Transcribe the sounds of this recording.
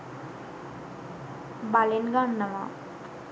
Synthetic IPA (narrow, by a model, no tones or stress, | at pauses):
balenɡanːama̰